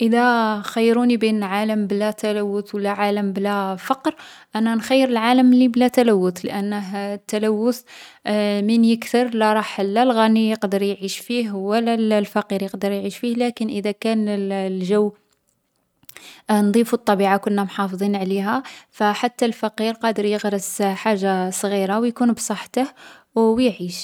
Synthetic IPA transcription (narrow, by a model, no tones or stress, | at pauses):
ʔəd̪æxæjːɾunibinʕaləmblæt̪ælæwːʊt̪wəlːæʕaləmblæfɑqɾʔænænxæjːəɾəlʕaləmliblæt̪ælæwːʊt̪lə̰ʔənːəɦt̪ːælæwːʊθ | mənjəkt̪əɾˤlæɾˤɑħlːælɣænijəqd̪əɾjʕiʃfiɦwəlːællfæqiɾjəqd̪əɾˤjʕiʃfihlækənʔəd̪ækænlʒəwː | nd̪ˤifut̪ˤːɑbiʕakʊnːæmħɑfd̪ˤinʕliɦæfæħat̪ːælfæqiɾqɑd̪əɾjəɣɾəsħaʒːasˤɣiɾawjkunbsˤəħːt̪əh | wwjʕiʃ